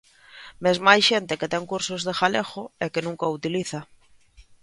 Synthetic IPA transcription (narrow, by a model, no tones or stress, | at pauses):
mezmajʃent̪eket̪ɛŋkuɾsozðexalexʊɛkenũŋkaut̪iliθɐ